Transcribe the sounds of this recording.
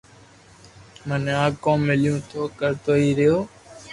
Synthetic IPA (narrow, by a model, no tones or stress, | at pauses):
mənãːkõːmɪljũːt̪ʰoːkəɾt̪oːiːɾɪjoː